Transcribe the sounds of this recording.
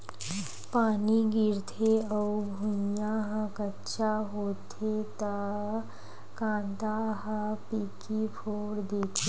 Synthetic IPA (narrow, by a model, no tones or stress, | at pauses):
paːniɡɪɾt̪ʰeɔubʱʊ̃jaɦə̃kətːʃaɦoːt̪ʰet̪a | kãːnd̪aɦə̃pikipʰoːɽd̪eːt̪ʰe